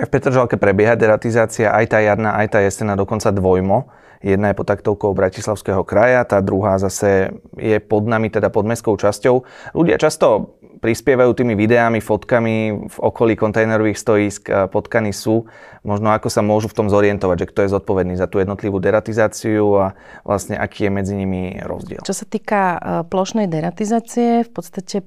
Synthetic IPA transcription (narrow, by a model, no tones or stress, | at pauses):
afpɛt̪ɾɔʒalkɛpɾɛbjɛɦad̪ɛɾat̪izaːt͡siaʔajt̪aːjaɾnaʔajt̪aːjɛsɛnad̪ɔkɔnt͡sad̪ʋɔjmɔ | jɛd̪najɛpɔt̪ːakt̪ɔʊkɔʊbɾacislaʊskɛɦɔkɾajat̪aːd̪ɾuɦaːzasɛjɛpɔd̪namit̪ɛd̪apɔd̪mɛskɔʊt͡ʃascɔʊlʔuɟɪa̰t͡ʃast̪ɔ | pɾispɪɛʋajuːt̪iːmiʋid̪ɛamifɔt̪kamivɔkɔliːkɔnt̪ɛjnɛɾɔʋiːxst̪ɔjiːskpɔt̪kanisuːmɔʒnɔakɔsamʊɔʒuft̪ɔmzɔɾiɛnt̪ɔʋaɟʒɛkt̪ɔjɛzɔt̪̚pɔʋɛd̪niːzat̪uːjɛd̪nɔt̪liʋuːd̪ɛɾat̪izaːt͡siua | ʋlʔasɲɛ̰ʔa̰kʰiːjɛmɛd͡ziɲimiɾɔ̰zɟɪɛ̰lt͡ʃɔsat̪iːkaplɔʃnɛjd̪ɛɾat̪izaːt͡siɛfpɔt̪st̪acɛ